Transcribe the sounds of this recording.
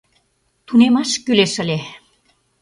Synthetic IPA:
t̪unemɑʃkyleʃə̆lʲe

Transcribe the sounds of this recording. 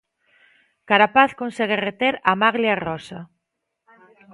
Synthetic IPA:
kaɾapaθkonseɣ̞eret̪eɾamaɣljarɔsa

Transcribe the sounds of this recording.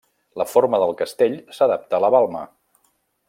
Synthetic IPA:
ləfoɾməðəlˠkəst̪eʎsəðap̚t̪əːləβalˠmə̰

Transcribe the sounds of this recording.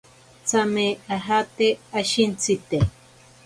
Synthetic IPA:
t͡sameaɦat̪eaʃint͡sit̪e

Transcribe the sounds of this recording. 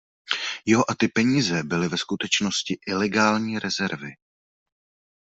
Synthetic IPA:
jɛɦoʔat̪ɪpɛɲiːzɛbɪlɪvɛskut̪ɛt͡ʃnoscɪʔɪlɛɡaːlɲiːɾʔɛzɛɾvɪ

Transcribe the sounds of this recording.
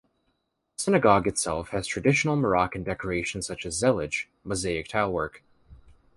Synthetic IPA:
sɪnɨɡɑɡɨtsɛlˠfhɨz̥tʰɹ̥ɨdɪʃn̩l̩ˠmə˞ɑkɨ̃n̩dɛkə˞eɪʃn̩sʌt͡ʃɨzːɛlˠɪ̥d͡ʒ | mozeɪɨk̚tʰaɪʊlˠwɜ˞k

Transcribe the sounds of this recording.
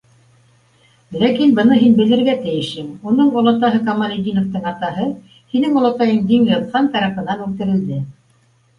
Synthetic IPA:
lækinbɤ̆nɤɦinbɘ̆lɘ̆ɾɡæt̪ɘ̆jɘ̆ʃɘmunɤɴŏlˠɑt̪ɑɦɤkɑmɑnid̪ʲinŏft̪ɤɴɑt̪ɑɦɤ | hinɘŋŏlˠɑt̪ɑjɤɴd̪iŋjɤ̆ðχɑnt̪ɑɾɑpɤ̆nɑnʉlt̪ɘ̆ɾɘ̆ld̪ɘ

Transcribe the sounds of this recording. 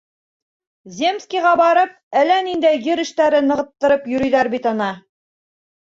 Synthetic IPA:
zʲemskʲijʁɑbɑɾɤp̚ælænind̪æjɡɘɾɘ̆ʃt̪æɾɘnɤ̆ʁɤ̆t̪ːɤ̆ɾɤpjɵ̆ɾɵ̆jðæɾbit̪ɑnɑ

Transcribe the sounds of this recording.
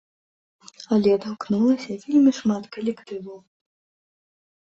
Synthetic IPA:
ɐlʲɛd̪ɐwknulˠɐsʲɐvʲelʲmʲiʂmat̪kɐlʲɛkt̪ɨvɐw

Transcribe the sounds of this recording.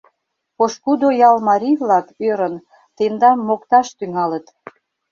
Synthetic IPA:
poʃkud̪ojɑlmɑɾʲijβlɑkøɾən | t̪end̪ɑmːokt̪ɑʃt̪yŋɑlət̪

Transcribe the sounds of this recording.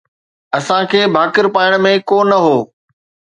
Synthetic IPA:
ɐsãkʰeːbʱaːkɪɾpaːɪɽ̃mẽkoːnɐɦoː

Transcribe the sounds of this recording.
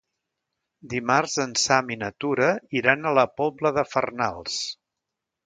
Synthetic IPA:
d̪imarzənsaminət̪uɾəiɾanələpɔbləðəfə̰rnalˠs

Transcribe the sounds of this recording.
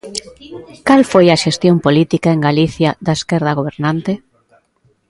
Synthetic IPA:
kalfojɐʃest̪jompolit̪ikaeŋɡaliθjɐðɐeskɛɾðɐɣ̞oβ̞eɾnant̪e

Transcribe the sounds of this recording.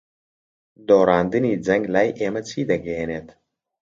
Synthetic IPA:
d̪oːɾaːnd̪ɨniːd͡zɛŋɡlaːjʔeːmɐt͡sʰiːd̪ɐɡeeneːt̪

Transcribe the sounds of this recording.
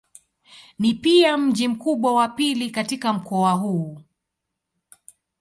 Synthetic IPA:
nipiam̩ʄim̩kuɓwawapilikatikam̩kɔaɦuː

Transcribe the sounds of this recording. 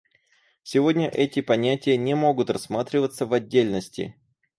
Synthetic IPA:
sʲɪvo̞dʲnʲəʔɛtʲɪpɐnʲætʲɪjənʲɪmo̞ɡʊt̪rɐsmat̪ɾʲɪvət̪səvɐdʲːelʲnəsʲtʲɪ̰

